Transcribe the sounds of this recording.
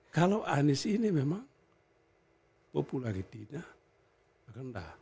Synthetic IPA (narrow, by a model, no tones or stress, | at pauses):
kaloʔanisinimemaŋ | populakitit̪ɲa | akənda̰